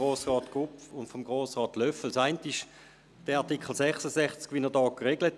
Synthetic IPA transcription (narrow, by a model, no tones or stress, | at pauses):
oːsʁɑːtɡ̥ʁupʊntfɔmɡ̥ʁoːsʁɑːtlœfl̩saɪntɪʃ | d̥ɛɑʁtikχəl̩sɛχsəsɛχt͡skʋɪnədɑːkʁeɡ̥lət